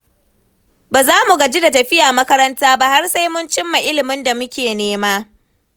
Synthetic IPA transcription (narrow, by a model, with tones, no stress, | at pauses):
baː˨zaː˦mu˨ɡa˨d͡ʒi˦da˨tɐ˨ɸɪ˦jaː˨mɐ˦kɐ˦ɾɐ˦ntaː˦ba˦ha˦rsa˦jmʊ˦nt͡ʃɪ˦mːa˨ʔɪ˦lɪ˨mɪ˦nda˨mʊ˦kʲeː˨neː˦maː˦